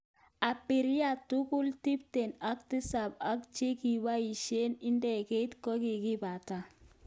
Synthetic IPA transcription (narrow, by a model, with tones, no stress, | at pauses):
a˨pi˨ɾi˦ja˨tu˦ku˦lti˦p̚te˨na˦k̚tɪ˦sa˨ba˦kt͡ʃe˦ki˨ba˦i˨ʃe˦ni˦ndɛ˨ke˦i˦tkɔ˦ki˨ki˦ba˨ta˦˨